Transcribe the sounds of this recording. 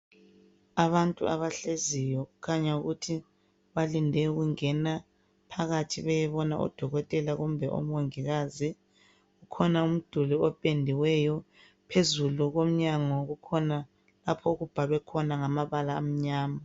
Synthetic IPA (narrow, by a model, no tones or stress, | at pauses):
aβantʼṵa̰βaɬezijɔɣukʰaɲauɣutʰi | βalindʱɛɣuŋɛna | pʰaɣatʰiβɛjɛβɔna̰ʔɔ̰d̥ʱɔɣɔtʼɛlaɣumbʱɛʔo̰mwoŋiɣazi | ɣukʰɔnaum̩d̥ʱuliɔpʼendʱiwɛjɔ | pʰezuluɣom̩ɲaŋɔɣukʰɔna | lapʰɔɣub̥ʱaβɛkʰɔnaŋamaβalaːm̩ɲaːma